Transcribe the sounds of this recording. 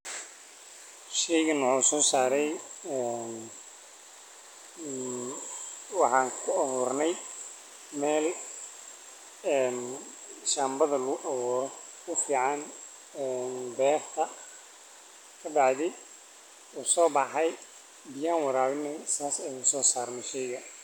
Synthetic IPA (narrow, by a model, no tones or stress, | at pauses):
ʃɛjɣɐnuːsɔːsaːɾɛjɛːn | wɑħɑːŋkʰʊɐβuːrnɛj | mɛːl | ɛːn | ʃaːmbɐðɐlʊɣʊʔɐβɔːɾɔ | ʊfiːʕɑn | ɛːnbɛːft̪ʰɐ | kʰɐbɑʕd̪ɪ | uːsɔːbɑħɑj | bɪjaːnwɑɾaːwɪnːɛjsaːsɛjʊsɔːsaːrnɛʃɛjɣɐ